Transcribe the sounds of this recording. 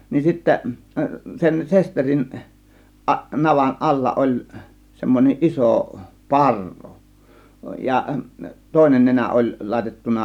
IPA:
nin sitːæ sen sesterin ʔɑʔ nɑʋɑn ʔɑlːɑ ʔolʲ semːonʲeʔ ʔiso pɑrːu jɑ toˑe̝nen nenæ ʔolʲ lɑˑe̝tetːunɑ

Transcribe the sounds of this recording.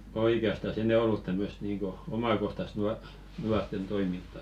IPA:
oikeɑstɑs enɛ olːut tæmːøst̆ niːŋko omɑkohtɑst nuɑ nuɑrtˑen toimintɑ

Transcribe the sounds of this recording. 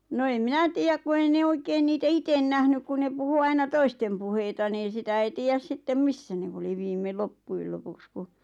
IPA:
no eĭm minæ tiːjæk ku ei ne oikeːn niːtæ iten næhnyk ku ne puhu ɑinɑ toistem puheitɑ niːn̞ sitæ ei tiːjæs sitːem misːæ neʋ oli ʋiːme lopːuil lopuks ku

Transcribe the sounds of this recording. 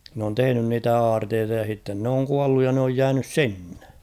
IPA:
n oːn tehĕnyn niːtæ ɑːrteːtɑ jɑ h̞itːen n oːŋ kuɑlːuj jɑ n oːj jæːnys sinːe̥

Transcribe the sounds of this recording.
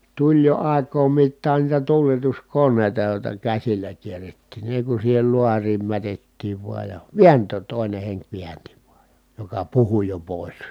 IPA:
tulʲ jo ɑˑi̯kˑoːm mitːɑːn niːtæ tuːletuskonːeˑi̯tɑ joˑi̯tɑ kæsilːæ kierːetːiˑn ni eˑi kun siːhel luɑriːm mætetːiːʋ ʋuɑj jɑ ʋiæntˑøːt toˑi̯ne heŋk ʋiænti ʋuɑj jɑ̥ jokɑ puhu jo poˑis

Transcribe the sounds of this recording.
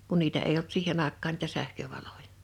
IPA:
kun niːtæ eij olt siːhen ɑˑekːɑːn niːtæ sæhkøʋɑlojɑ̥

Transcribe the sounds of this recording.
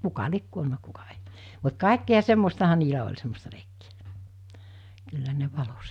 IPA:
kukɑ liek kuolnɑ kukɑ e̥i̥ mut kɑˑekːiɑ semːostɑhɑ niːlæ olʲ semːostɑ leikːi̥æ̥ kylːæ ne ʋɑlo

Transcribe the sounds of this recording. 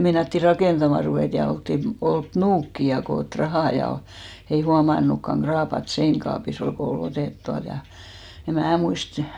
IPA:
meinɑtːi rɑkeˑntɑmɑˑ ruʋeˑt jɑ oltːin olt nuːkːi jɑ koːt rɑhɑˑ jɑ ei huɑmɑnˑukːɑŋ ɡ̊rɑːpɑt seinkɑːpis ol ko ol oteˑt tuɑlt jɑ em̆ mæː muist

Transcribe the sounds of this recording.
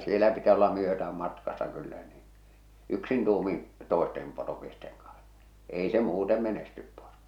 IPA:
sielæ pitæs olːɑ myøtæːm mɑtkɑsːɑ kylːæ niːn̞ yksin tuːmin̞ toˑestem poromiesteŋ kɑn̥s ei se muːte menestyp poro̥

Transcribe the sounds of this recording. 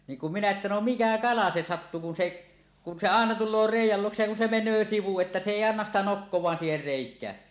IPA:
niːŋ kum minæ etːæ no mikæ kɑlɑ se sɑtːu kun se kun se ɑˑenɑ tulˑoː reˑijˑæl luoksej jɑ kun se menˑøː siʋu etːæ se eˑi ɑnːɑs sitæ nokːowˑɑːn siːher reˑikˑæː

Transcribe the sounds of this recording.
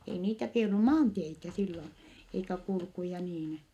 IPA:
ei niːtæ k ei olːu mɑːnteitæ silːon eikæ kulkujɑ niːn

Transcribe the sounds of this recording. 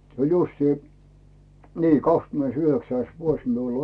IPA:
se olʲ justiː niː kɑkskymĕneisyhøksæis ʋuos miul

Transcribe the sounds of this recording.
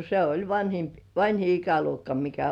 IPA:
se olʲ ʋɑnʲhimp ʋɑnʲhi ikæluokːɑ mikæ

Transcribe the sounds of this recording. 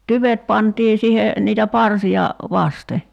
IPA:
tyʋet pɑntiː sihe niːtæ pɑrsiɑ ʋɑste

